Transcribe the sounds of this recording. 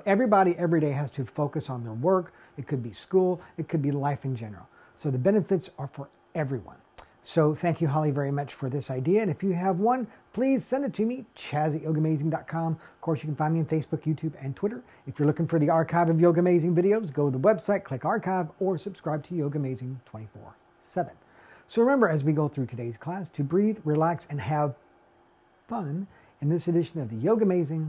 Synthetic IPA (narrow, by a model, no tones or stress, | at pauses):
ʔɛvɹibɑɾiʔɛvɹiɾeɪɨz̥tʰɨfoʊkɨsn̩ðə˞wɜ˞k | ɨt̚kʰɨd̚biskulˠɨt̚kʰɨd̚bilaɪfɨ̃nd͡ʒɛ̃nə̰˞l̩ˠ | soʊðɨbɛnɨfɨtsə˞fə˞ | ɛvɹiwʌ̰̃n | soʊθæ̃ŋkjɨɦɑlˠivɛɹimʌt͡ʃfə˞ðɪsaɪdiɨɨ̃nɨfjɨːvwʌ̃npʰl̥iz̥sɛ̃ndɨtʰɨmit͡ʃʰæzɨtjoʊɡɨmeɪzɪ̃ŋdɑt̚kʰɑ̃mʌv̥kʰɔɹsjɨkn̩fãɪ̃nmiɨ̃nfeɪsb̥ʊkjʉtʰʉbɨ̃ntʰw̥ɪɾə˞ | ɨfjə˞lʊkɪ̃ŋfə˞ðiɑɹkʰaɪvʌvjoʊɡɨmeɪzɪ̃ŋvɪɾioʊzɡoʊɾðəwɛbsaɪt̚kʰl̥ɪkɑɹkʰaɪvə˞sɨb̥skɹaɪb̚tʰɨjoʊɡɨmeɪzɪ̃ŋtʰw̥ɛ̃ɾ̃ifɔ̰ɹ | sɛvɨ̃n | soʊɹɨmɛ̃mbə˞ɨzwiɡoʊθɹʉtʰɨdeɪz̥kʰl̥æstʰɨbɹiðɹilæksɨ̃nɨv̥ | fʌ̃n | ɨ̃nðɪsɨdɪʃɨ̃nʌvðɨjoʊɡɨmeɪzɪ̃ŋ